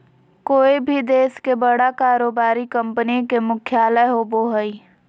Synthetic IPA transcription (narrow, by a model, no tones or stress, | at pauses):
koːibʱid̪eːskebəɽakaːɾoːbaːɾikə̃mpənĩkemʊkʰjaːləɦoboɦəi